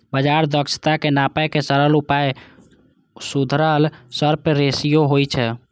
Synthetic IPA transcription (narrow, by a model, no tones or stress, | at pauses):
bəd͡ʒaɾd̪əkʃt̪akenapɛkesəɾəlupaj | sud̪ʱɾəlsəɾpeɾesijoɦojt͡ʃʰɛ